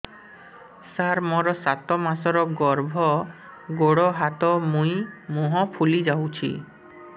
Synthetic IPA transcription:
saɾmɔɾɔsat̪ɔmasɔɾɔɡɔɾbʱɔ | ɡoɽɔɦat̪ɔmũĩmuɦɔpʰulid͡ʒawt͡ʃʰḭ

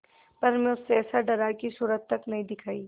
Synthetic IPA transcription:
pɐɾmẽʊsːeɛːsaɖɐɾaːikisuːɾəd̪̚t̪ɐknɐɦĩd̪ɪkʰaːiː

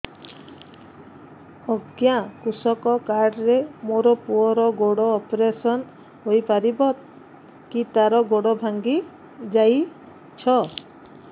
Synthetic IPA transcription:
ɔɡjakusɔkɔkaɾɖɾemoɾɔpuɔɾɔɡoɽɔːpɾesɔn | ɦojpaɾibɔt̪ | kit̪aɾɔɡoɽɔbʱaŋɡi | d͡ʒaj | t͡ʃʰɔ

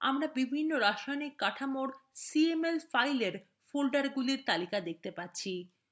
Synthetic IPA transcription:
amɾabibʱinːoɾaʃajnekaʈʰamoɾsiemelfajleɾ | folɖaɾɡuliɾt̪alikad̪ek̚ʰt̪epatːɕʰi

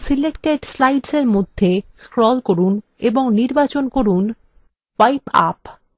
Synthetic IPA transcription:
silekʈeʈslajɖseɾmod̪ʱːeskɾɔlkoɾun | eboŋniɾbat͡ɕonkoɾun | wajpa̰p

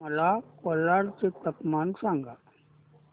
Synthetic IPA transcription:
mɐlaːkolːaːɾt͡ʃet̪ɐpmaːnsaːŋɡa

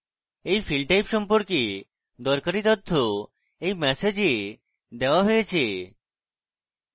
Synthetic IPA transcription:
ejfʰilɖʈajpʃɔmpoɾke | d̪ɔɾkaɾit̪ɔt̪ʰːo | ejmɛsed͡ʑe | d̪ɛoaɦojet͡ɕʰe

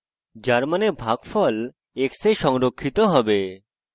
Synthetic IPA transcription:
d͡ʑaɾmanebʱaɡfɔl | eksejʃɔŋɾokʰːit̪ɔɦɔbe

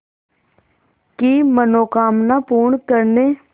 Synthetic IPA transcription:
kiːmənoːkaːmnaːpuːɾɳkəɾneː

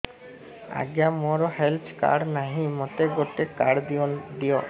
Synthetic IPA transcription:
a̰ɡjamoɾɔhelt͡ʃka̰ɾɖnaɦĩmot̪eɡoʈekaɽd̪iɔd̪ijɔ

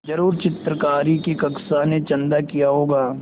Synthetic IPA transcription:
d͡ʒɐɾuːɾt͡ʃɪt̪ɾəkaːɾikikɐksanet͡ʃɐ̃nd̪akijaɦoːɡaː

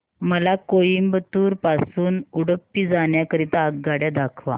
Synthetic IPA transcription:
məlakojimbət̪uːɾpasuːnuɽəpːiːd͡zaɳjakəɾit̪aəɡɡːaɽjad̪akʰʋa̰

